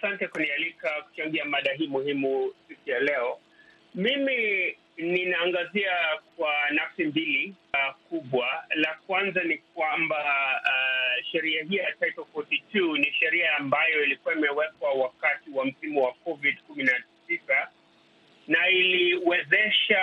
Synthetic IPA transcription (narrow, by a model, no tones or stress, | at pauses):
asantɛkunialikaku̥t͡ʃaŋɡiamaɗaɦiːmuhimusikujalɛɔ | mimi | ninaːŋɡaziak̚wanafsimbiliakuɓwalak̚wanzanik̚wamba | ʃɛɾiaɦijatajtɔfɔtitʰuniʃɛɾiaːmbajɔilikuaimɛwɛkwawakatiwam̩simuwakɔvidkuminasisa | nailiwɛzɛʃa